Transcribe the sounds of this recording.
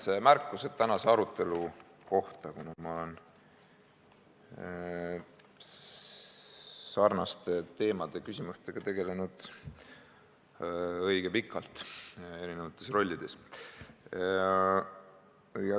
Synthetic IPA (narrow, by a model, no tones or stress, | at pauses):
semærkːuset̪t̪ːænɑse̞ɑɾut̪ːˑe̞lu | ko̞ht̪ɑkunɑmɑolen | sɑrnɑst̪et̪e̞ːmɑd̪̥e̞kysʲimust̪e̞ɡ̥ɑt̪e̞ɡ̥e̞le̞nud̪̥ | ɤ̞jɡ̥epikːˑɑlt̪e̞ɾine̞vɑt̪ːˑe̞sro̞lʲːid̪̥e̞s | jɑ